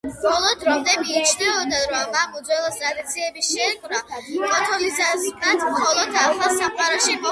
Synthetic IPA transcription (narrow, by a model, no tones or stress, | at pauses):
mχɔlˠɔd̪ɾɔmd̪ɛmit͡ʃʰnɛɔd̪aɾɔmːapʼud̪zwɛlˠɔst̪ʼɾad̪it̪sʰiɛbiʃɛkʰʼɾakʼɔt̪ʰɔlizasmat̪ʰmχɔlˠɔd̪aχlˠasamqʼaɾɔʃipʼɔ